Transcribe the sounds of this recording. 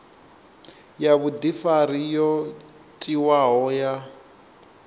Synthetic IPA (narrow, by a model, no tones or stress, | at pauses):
jaβudifaɾijɔ | tʼiwaɦɔja